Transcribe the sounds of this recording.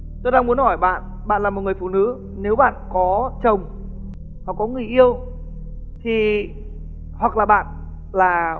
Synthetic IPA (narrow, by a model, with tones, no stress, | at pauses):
t̪o˧jɗaː˧ŋmu˨˦ənhɔ˧˩jɓa̰ː˧˨n | ɓa̰ː˧˨nlaː˨˩mo˨˩t̚ŋɨ˨˩əjfṵ˧˩nɨ̰˧˥ | ne˨˦wɓa̰ː˧˨nkɔ˨˦t͡ɕə˨˩wŋ͡m | hwa˨˩kkɔ˨˦ŋɨ˨˩əjʔi˧əw | t̪ʰi˨˩ | hwa˨˩k̚laː˨˩ɓa̰ː˧˨n | laː˨˩